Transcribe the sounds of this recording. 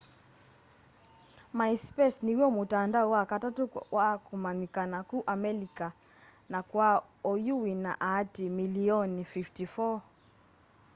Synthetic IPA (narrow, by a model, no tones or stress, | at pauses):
maispɛsniwɔmutandaɔwakatatuwakumanikanakuʔamɛlika | nakwa | ɔjuwina̰ʔaatimiliɔnfiftifɔ